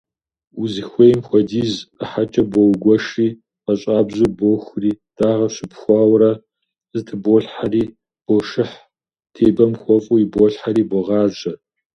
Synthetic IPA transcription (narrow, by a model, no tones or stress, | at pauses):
uzixʷejmxʷɔdiːzəħat͡ʃʼɐbʷɔwɡʷɔʂiː | qɐɕʼaːbʑuboxʷriːd̥aːʁɐɕɪpxʷɑːwɾɐ | zɨtʰɨboɬħariː | b̥oʂɨħ | tʰeːbɐmxʷɔfʼʊibɔɬħaɾiːbʷɔʁɑːʒʼɐ